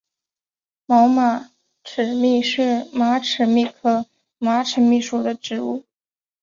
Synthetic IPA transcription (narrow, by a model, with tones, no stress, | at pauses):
mɑ˧˥ʊma˨˩ | ʈ͡ʂʰɻ̩˨˩mi˥˧ʂɻ̩˥˩ma˧˥ʈ͡ʂʰɻ̩˨˩mi˥˩kʰɤ˥ | ma˧˥ʈ͡ʂʰə˨˧˥mi˥˩ʂu˨˩d̪ə˦ʈ͡ʂɻ̩˧˥u˥˩